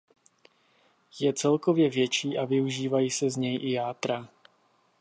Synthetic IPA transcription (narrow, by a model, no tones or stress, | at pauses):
jɛt͡sɛlkovjɛvjɛt͡ʃiːʔavɪuʒiːvajiːsɛzɲɛjʔɪjaːt̪ɾa